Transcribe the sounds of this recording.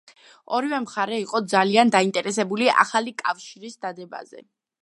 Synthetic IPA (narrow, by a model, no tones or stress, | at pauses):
ɔɾivɛmχaɾɛiqʼɔd̪zaliand̪aint̪ʼɛɾɛsɛbuliʔa̰χalikʼafʃiɾisd̪ad̪ɛba̰zɛ̰